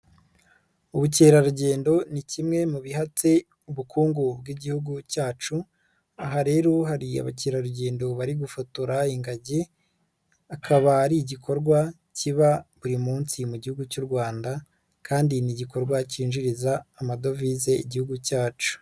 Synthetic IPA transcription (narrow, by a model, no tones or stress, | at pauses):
uβuceːɾaɾuɟe̞ːndo̞nicimŋe̞muβiɦat͡se̞ | uβukʰuːŋɡubɡiɟihuɡucaːt͡ʃu | aɦaɾe̞ːɾoɦaɾia̰βaceːɾaɾuɟe̞ːndo̞βaɾiɡufutuɾaiŋɡaɟe̞ | akʰaβaːɾiɟikʰo̞ɾɡwa | ciβaβuɾimuːnsimuɟihuɡucuɾɡwaːnda | kʰaːndiniɟiko̞ɾɡwaciːnʒiɾizaːmado̞vize̞ḭɟihuɡucaːt͡ʃu̥